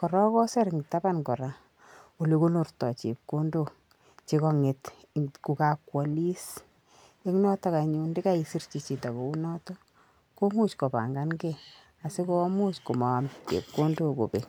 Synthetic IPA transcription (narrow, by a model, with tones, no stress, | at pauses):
kɔ˨ɾɔ˦kɔ˦sɛ˦ɾŋta˦ba˦nkɔ˨ɾa˨ | o˨le˨ko˦no˨rtɔ˨t͡ʃe˨p̚ko˦ndo˦ | t͡ʃe˦kɔ˦ŋe˨t | ku˨ka˨kwɔ˨li˦s | e˦ŋnɔ˦tɔ˦ka˨ɲu˨nde˦ka˦isi˦rt͡ʃi˨t͡ʃi˨ta˨bo˨u˦nɔ˦tɔ˦ | ko˦mu˦t͡ʃko˨pa̰˨ŋɡa˦nɡe˦ | a˨se˦ko˦mu˦t͡ʃko˨ma˨a˨mt͡ʃḛ˨p̚ko˦ndo˦ko̰˨pe˨